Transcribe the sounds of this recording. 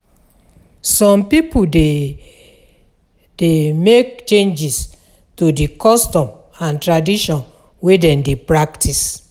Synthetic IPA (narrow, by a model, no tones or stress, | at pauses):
sɔ̃mpipude | demekt͡ʃẽnd͡ʒis | tudikɔstɔ̃m | ãntɹadiʃɔ̃n | wedɛ̃ndepɹaktʰis